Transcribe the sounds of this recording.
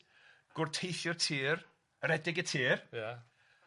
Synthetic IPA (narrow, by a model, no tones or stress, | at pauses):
ɡ̥ʊrtʰejʃʊrtʰiːr | ɾɛdɪɡətʰiːra